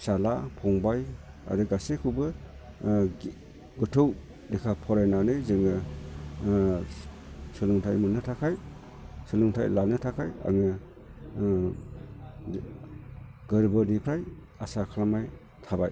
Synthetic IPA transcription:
salapʰɔŋbaj | a̰dɯɡasekʰubɯ | ɡɯtʰɯw | dekʰapʰɔɾajnanɯzɯŋɯ | sɯlɯŋtʰajmunɯtʰakʰaj | sɯlɯŋtʰajlalnɯtʰakʰaja̰ŋɯ | ɡɯɾbɯnipʰɾaj | asakʰalamaj | tʰabaj

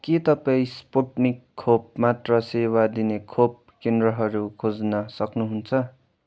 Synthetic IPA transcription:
kit̪ʌpaĩspoʈnikʰːop̚mat̪rʌsewad̪inekʰop̚ | kend̪rʌɦʌɾukʰod͡znʌsʌknuɦunt͡sʰʌ

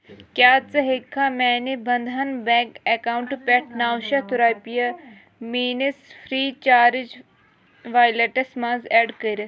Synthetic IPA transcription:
kʲjaːt͡sɐɦekʰːamɛːnibɐnd̪ʱɐnbɛ̃ːkekaːwuɳʈpɛʈʰnaːwʃɐt̪uɾaːpijɐ | miːnɐsfʰɾiːt͡ʃaːɾid͡ʒ | ʋaːjleʈɐsmãːnzɛːɖkɐɾɐ

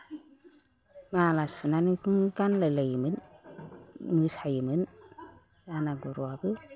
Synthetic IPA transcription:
malasunanɯkʰɯŋɡanlaləjmɯn | mɯsajɯmɯn | zanaɡuɾuabɯ

